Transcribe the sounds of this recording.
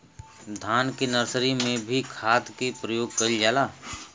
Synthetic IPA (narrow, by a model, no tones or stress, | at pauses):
d̪ʱaːnkinəɾsɾimẽbʱikʰaːt̪kipɾəjoːɡ̚kəild͡ʒaːlaː